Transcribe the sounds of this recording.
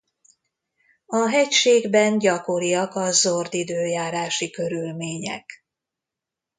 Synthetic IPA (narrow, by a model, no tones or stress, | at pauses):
ɒɦɛcʃeːɡbɛnɟɒko̞ɾijɒkɒzord̪id̪øːjaːɾaːʃikø̞ɾylmeːɲɛ̰k